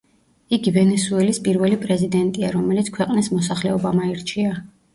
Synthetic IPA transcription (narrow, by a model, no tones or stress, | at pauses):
iɡivɛnɛsuɛlispʼiɾvɛlipʼɾɛzid̪ɛnt̪ʼiaɾɔmɛlit̪skʰwɛqʼnismɔsaχlɛɔbamaiɾt͡ʃʰia